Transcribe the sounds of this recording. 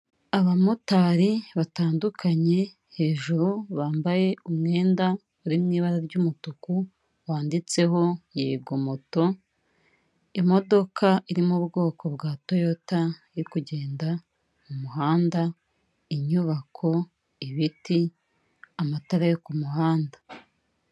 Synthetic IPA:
aβamotaɾiβataːndukʰaɲe̞ | he̞ːʒuɾuβaːmbaje̞ʔumŋe̞ːnda | uɾimŋiːβaɾaɾɟumutuku | βaːndit͡se̞ɦo̞jeɡomoto̞ | imo̞do̞kʰaʔiɾimubɡo̞ːkʰo̞bɡaːto̞jo̞taijikuɟe̞ːnda | mumuɦaːnda | iɲuβakʰo̞ | iβiti | amataɾajokumuɦaːnda

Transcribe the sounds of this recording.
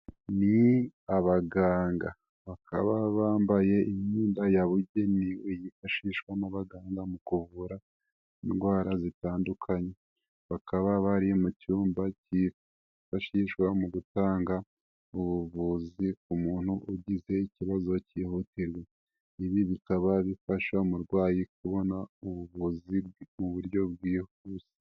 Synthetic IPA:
niaβaɡaːŋɡa | βakʰaβaβaːmbaje̞ʔimɲiːndajaβuɟe̞niwejifaʃiʃkwanaβaɡaːŋɡamukuβuɾa | inɡwaːɾazitaːndukʰaɲe̞ | βakʰaβaβaɾiomucuːmbaci | faʃiʃkwamuɡutaːŋɡa | uβuβuzik̚umuːn̥huʔuɟize̞iciβazo̞ciːhutiɾwe̞ | iβiβikaβaβifaʃaumuɾɡwaːjik̚uβo̞nauβuβuzimuβuɾjo̞b̚ɡiːh | uːz̥i̥

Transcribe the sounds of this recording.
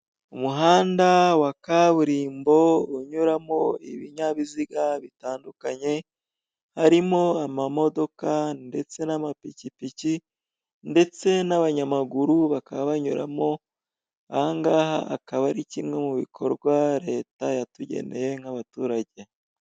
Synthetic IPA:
umuɦaːndawakaβuɾiːmbo̞uɲuɾamo̞ḭβiɲaβiziɡaβitaːndukaɲe̞ | haɾimo̞amamo̞do̞kande̞t͡se̞namapicipici | nde̞t͡se̞naβaɲamaɡuɾuβakaβaβaɲuɾa̰mo̞ | aaŋɡaːha̰ːkaβaɾicimŋe̞muβḭkʰo̞̰ɾɡwaɾe̞ːtajatuɟe̞̰ne̞je̞ŋ̥haβatuːɾaɟe̞

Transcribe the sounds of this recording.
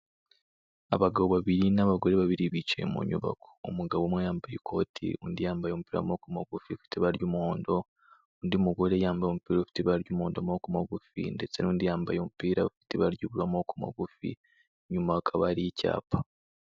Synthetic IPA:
a̰βaɡaβoβaβiɾinaβaɡo̞ɾeβaβiɾiβit͡ʃe̞̰mṵɲṵβa̰kʰo̥ːmuɡaβomwejaːmbajekʰo̞ːtʰḭṵndijaːmbajomupiːɾa̰mokumaɡufiufi̥teβaɾjumuhoːndo̞ | undimuɡo̞ɾejaːmbajomupiːɾafi̥teβaɾjumhoːndomokumaɡufḭnde̞t͡se̞nuːndijaːmbajomupiːɾaβafi̥teβaɾjuβulamokuma̰ɡufḭ | ɲumaakʰaβaɾijica̰ːpʰḁ

